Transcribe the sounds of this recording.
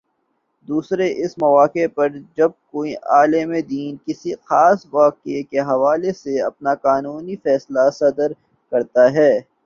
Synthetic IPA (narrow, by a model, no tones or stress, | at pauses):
d̪uːsɾeʔɪsmɐʋaːkepɐɾd͡ʒɐb̚koːiʔaːlemẽd̪iːnkɪsixaːsʋaːqekeɦɐʋaːleseɐ̰pnaqaːnuːnifɛːslasɐd̪əɾ | kɐɾt̪aɦɛː